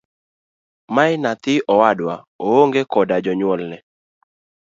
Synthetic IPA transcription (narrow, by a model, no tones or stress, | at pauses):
maɪnat̪ɪʔɔwadwa | ooŋɡekɔdad͡ʒɔɲwɔlnɛ